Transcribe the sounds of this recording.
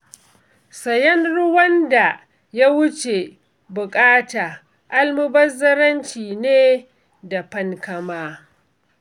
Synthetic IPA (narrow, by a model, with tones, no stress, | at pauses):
sɐ˨jɐ˦nɽʊ˦wɐ˦nda˨ | ja˦wʊ˦t͡ʃe˨ | bʊ˨kʼaː˦taː˨ | ʔa˦lmʊ˦bɐ˦zɐ˦ɾɐ˦nt͡ʃiː˨neː˦ | da˨ɸɐ˦ŋkɐ˦maː˦